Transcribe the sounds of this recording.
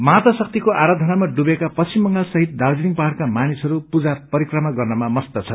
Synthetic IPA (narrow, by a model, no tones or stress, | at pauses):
mat̪ʌsʌk̚t̪ikoʔaɾad̪ʱʌnamaɖubekapʌsimːʌŋɡalsʌɦit̪̚d̪ard͡ziniŋpʌɦaɽkamanisʌɾupud͡zapʌɾikrʌmaɡʌrnʌmamʌst̪ʌt͡sʰʌ